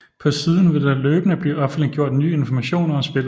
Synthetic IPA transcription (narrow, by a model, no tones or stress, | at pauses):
pʰɒ̽siːð̞ˠn̩ʋe̝ld̥ɑløːb̥ənəb̥liɒ̽fn̩liɡ̥jo̝ɐ̰d̥nyːe̝nfɒmæɕo̝̰ːnɐɒsb̥e̝lˠ